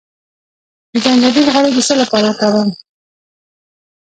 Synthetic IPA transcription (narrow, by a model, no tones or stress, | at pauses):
d̪əd͡ʒandad̪ilɣəɽod̪əsəlapɑɾakawəm